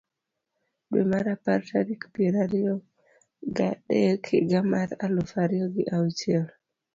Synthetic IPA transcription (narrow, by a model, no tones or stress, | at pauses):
ɗwḛmaɾapaɾtaɾikpiɾaɾio | ɡaɗɛkʰiɡamaɾalofaɾiɔɡiʔawt͡ʃiɛl